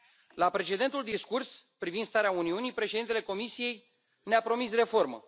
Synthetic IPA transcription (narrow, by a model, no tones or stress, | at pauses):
lapɾe̞t͡ʃe̞d̪e̞nt̪uld̪iskurspɾivind̪st̪aɾeauniunipɾe̞ʃed̪int̪ele̞ko̞misije̞j | neapɾo̞misre̞fo̞rmə̰